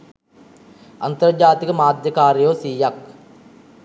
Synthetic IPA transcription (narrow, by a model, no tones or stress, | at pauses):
ɐnt̪ɐɾd͡ʒaːt̪ikəmaːd̪jɐkaːɾjoːsiːjak